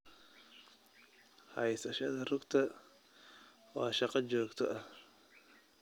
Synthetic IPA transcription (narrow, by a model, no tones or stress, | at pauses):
hɐjsɐʃɐðɐrʊɡt̪ʰɐ | waːʃɑqɑd͡ʒɔːɡt̪ʰɔʔɐh